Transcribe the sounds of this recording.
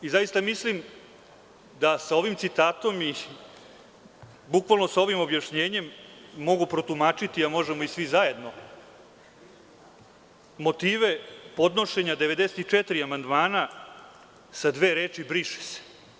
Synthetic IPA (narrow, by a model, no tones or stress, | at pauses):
izajist̪amislim | d̪asao̞ʋimt̪sit̪aːt̪o̞mi | bukʋalˠno̞sao̞ʋimo̞bjaʂɲe̞ːɲe̞mːo̞ɡupɾo̞t̪umaːt͡ʃit̪iamo̞ʒemo̞isʋizaje̞d̪no̞ | mo̞t̪iːʋe̞po̞d̪no̞ʃe̞ɲad̪e̞ʋe̞d̪e̞set̪it͡ʂet̪ɾiamand̪maːna | sad̪ʋe̞ːɾe̞ːt͡ʃibɾiʃe̥se̥